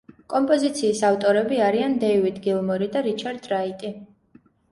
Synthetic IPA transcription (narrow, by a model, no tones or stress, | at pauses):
kʼɔmpʼɔzit̪sʰiːsaft̪ʼɔɾɛbiaɾiand̪ɛivid̪ɡilˠmɔɾid̪aɾit͡ʃʰaɾd̪̥ɾait̪ʼi